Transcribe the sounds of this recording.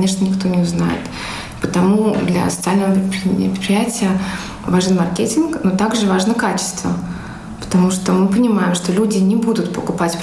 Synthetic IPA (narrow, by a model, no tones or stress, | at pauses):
eʂnənʲɪkt̪o̞nʲɪʊzna̰jɪ̰t̪ | pət̪ɐmud̪lʲɐ̰sə̥t̪sɨalʲnəvəpʲɾʲɪtpʲpʲɾɪ̥t̪pʲɾʲɪjætʲɪjə | vaʐənmɐrkʲetʲɪnknot̪aɡʐɨvaʐnəkat͡ɕɪ̥st̪və̰ | pə̥t̪ɐmuʂt̪omɨpənʲɪmajɪmʂt̪olʲudʲɪnʲɪbud̪ʊt̪pəkʊpatʲp